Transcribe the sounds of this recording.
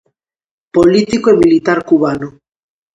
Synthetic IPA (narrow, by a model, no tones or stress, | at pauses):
polit̪ikoemilit̪aɾkuβano